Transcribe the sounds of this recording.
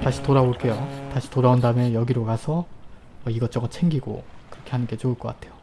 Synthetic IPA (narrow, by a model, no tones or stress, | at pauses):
taɕʰi̥toɾaboɭk͈e̞jotaɕʰi̥toɾaondamjʌnjʌɡiɾokasʰʌ | ʌiɡʌt͡ɕ͈ʌŋʌt͡ɕʰe̞ŋɡiɡo̰kɯɾʌkʰe̞hanɯnɡe̞t͡ɕouɭk͈ʌk͈atʰe̞jo